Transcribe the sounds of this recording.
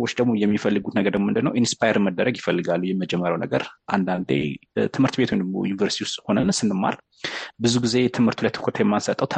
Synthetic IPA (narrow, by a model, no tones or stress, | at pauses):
wot͡ʃːd̪əɡmo̞jɛmːifəlːɨɡut̪nəɡəɾd̪əmmɨnd̪ɨnːə̰wʔinspʰajeɾməd̪ːəɾəɡjɪfəlːɨɡalːujɛmːəd͡ʒɛmːəɾjawnəɡəɾʔa̰nd̪and̪ḛt̪ʰɨmhɨɾt̪bet̪ʰwond̪əɡmo̰junivəɾsit̪ʰiwust̪ʼho̞nənsɨnːɨmːa̰ɾ | bɨzuɡize̞t̪ʰɨmhɨɾt̪ʰulajt̪ɨ̥kʰət̪ʰjɛmːansət̪ʼːəwt̪ʰ